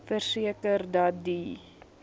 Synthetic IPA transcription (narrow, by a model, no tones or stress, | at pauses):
fərsiəkərdɐt̚di